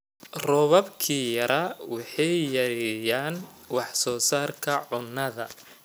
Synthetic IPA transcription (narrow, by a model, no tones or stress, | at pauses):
rɔβɐbkʰiːjɐɾɐwɑħɑjjɐɾɛjaːnwɑħsɔːsaːrkʰɐʕʊnːɐðɐ̰